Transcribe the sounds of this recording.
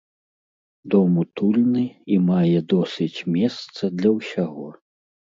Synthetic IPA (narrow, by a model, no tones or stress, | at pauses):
d̪ɔmut̪ulʲnɨimajɛd̪ɔsʲɨt͡sʲmʲɛst̪sɐd̪lʲɐwsʲaɣɔ